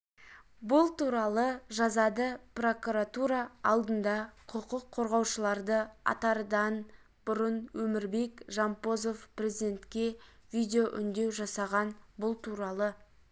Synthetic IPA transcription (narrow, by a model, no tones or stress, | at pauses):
bʊlˠt̪uɾɑlˠəʒɑzɑd̪əpro̞kuɾat̪uɾɑɑlˠd̪ənd̪ɑqʰəqʊqʰːo̞ɾʁɑwʃəlˠɑɾd̪əɑ̰t̪ɑɾəd̪ɑn | bʊɾənwɵmɪɾbe̞kʒɑmpo̞zo̞fprʲezid̪e̞nt̪kʲe̞vijd̪ʲejo̞ʔʏnd̪e̞wʒɑsɑʁɑnbʊlˠt̪ʰuɾɑlˠə